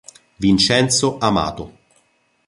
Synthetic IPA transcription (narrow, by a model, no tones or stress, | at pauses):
vint͡ʃɛnt̪soʔama̰ːt̪o